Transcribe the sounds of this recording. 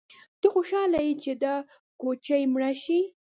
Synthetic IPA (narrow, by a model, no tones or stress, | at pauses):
t̪əxoʃɑlajit͡ʃed̪ɑ | kot͡ʃajmɽaʃi